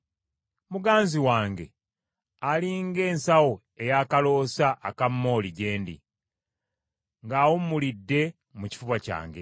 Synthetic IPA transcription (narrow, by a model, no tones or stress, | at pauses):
muɡaːnziwaːŋɡe̞ | aliŋɡe̞ːnsawo | e̞jaːkalo̞ːsaʔːkamːo̞ːliɟe̞ːndḭ | ŋɡaːwomːulidːe̞ | muci̥fuβaca̰ːŋɡe̞̰